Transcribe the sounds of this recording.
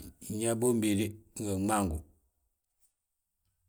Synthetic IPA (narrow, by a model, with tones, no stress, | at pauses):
ɲɛ˦bo˦m˦bi˨ɾi˦ŋ̩˨ɡə˨ŋ͡ma˦˨ŋɡu˨